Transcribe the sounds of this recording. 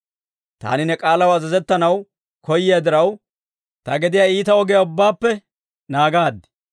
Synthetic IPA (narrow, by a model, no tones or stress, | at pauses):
t̪a̰ːnɪnɛkʼaːlɐwɐzɐzɛt̪ːɐnɐw | kɔjːɪjad̪ɪɾɐw | t̪ɐɡɛd̪ɪjaiːt̪ɐɔɡɛjaʊbːaːpːɛ | naːɡaːd̪ːɛ̥